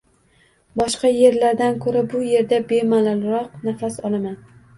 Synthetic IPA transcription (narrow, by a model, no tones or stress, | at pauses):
bɒʃqɑje̞ɾlaɾd̪ankʰɵɾabʊje̞ɾd̪abe̞malalɾɒq̚nafasɒlˠaman